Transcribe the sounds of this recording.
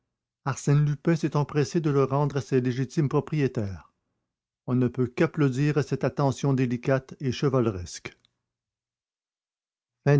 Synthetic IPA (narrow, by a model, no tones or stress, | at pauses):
aʁsɛnlypɛ̃sɛt̪ɑ̃pχɛsed̪ələʁɑ̃d̪ʁasɛleʒit̪impχɔpʁijet̪ɛːʁ | ɔ̃nəpøkaplod̪iːʁasɛt̪at̪ɑ̃sjɔ̃d̪elikʲat̪eʃəvalʁɛsk | fɛ̃